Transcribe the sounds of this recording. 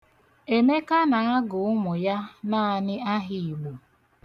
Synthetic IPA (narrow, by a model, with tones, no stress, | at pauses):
e˨me˦ka˦na˨ŋa˦ɡʊ˨ʊ˦mʊ˨ja˦na˦a˨nɪ˦a˦ɦɪ˨ɡ͡bu˨